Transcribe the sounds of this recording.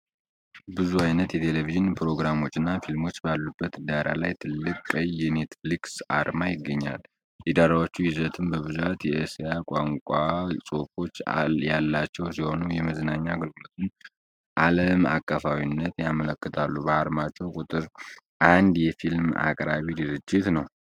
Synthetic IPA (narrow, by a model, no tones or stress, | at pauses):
bɨzuajnət̪jɛt̪ʰe̞leviʒɨnpʰɾo̞ɡɾamo̞t͡ʃːɪnːafilmo̞t͡ʃːbalːubːət̪d̪aɾa̰lajt̪ʰɨlːɨkʼːəjːɛne̞t̪fliksaɾmajɪɡːəɲːa̰l | jɛd̪aɾawot͡ʃːujɪzət̪ʰɨmbəβɨzat̪jɛəsejakʼaŋkʷʼasʼo̞fo̞t͡ʃːjalːat͡ʃːɛwsiho̞nujɛməznaɲːaɡɨlmut̪ʰɨn | ʔaləma̰kʼːəfawinːət̪jamələkːɨt̪ʰalːubəaɾmat͡ʃʼːɛwkʼut̪ʼɨɾ | ʔand̪jɛfilma̰kʼɾaβidɨɾɨd͡ʒːɪt̪nəw